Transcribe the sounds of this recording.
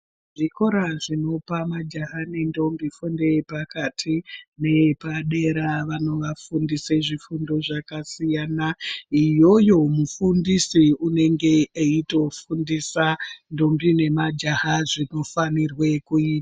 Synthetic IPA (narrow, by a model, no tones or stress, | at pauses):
ʐiko̞ɾaʐino̞pamad͡ʒaɦane̞ndo̞mbifunde̞pakatʰine̞paɗe̞ɾaʋano̞ʋafundiseʐifundo̞ʐakasijanaijo̞jo̞mufundisiune̞ŋɡe̞eito̞fundisando̞mbine̞mad͡ʒahaʐino̞fanirwe̞kuiːta